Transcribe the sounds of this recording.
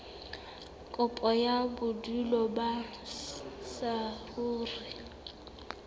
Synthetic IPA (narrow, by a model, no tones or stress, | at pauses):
kʼʊpʼɔjabʊdulɔba | sahuːrɪ